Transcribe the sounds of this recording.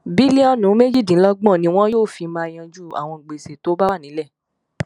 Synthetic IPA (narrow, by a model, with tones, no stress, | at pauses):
bi˦li˦ɔ˦nũ˨˦me˦d͡ʒi˦˨dĩ˨˦lɔ˦ɡ͡bɔ̃˦˨nĩ˧˦w̃ɔ̃˦joː˦˨fi˧mãː˧j̃ã˧d͡ʒu˦˨a̰˨w̃ɔ̃˧˨ɡ͡be˨se˨to˦ba˦wa˦˨nĩ˨˦lɛ˦˨